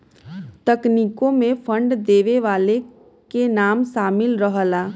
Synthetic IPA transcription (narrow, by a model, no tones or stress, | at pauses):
t̪əkniːkõmẽpʰə̃ɳɖd̪eːʋeʋaːle | kenaːmʃaːmɪlɾəɦəlaː